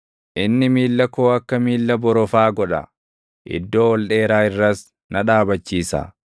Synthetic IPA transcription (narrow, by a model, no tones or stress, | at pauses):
ʔɪnːɪmiːlːɐkoːɐkːɐmiːlːɐbɔɾɔfaːɡɔᶑɐ̰ | ʔɪ̰d̪ːo̞ːɔlᶑeːɾaːɪrːɐs | nɐᶑaːbɐt͡ʃːiːsɐ̰